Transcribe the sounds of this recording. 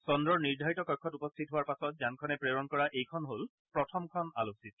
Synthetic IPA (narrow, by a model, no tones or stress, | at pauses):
sɔndɹɔɹniɹdʱaɹitɔkɔjkʰːɔtupɔstʰitɦʊaɹpasɔt̚zankʰɔnɛpɹeɹɔnkɔɹaʔejkʰɔnɦol | pɹɔtʰɔmkʰɔna̰losit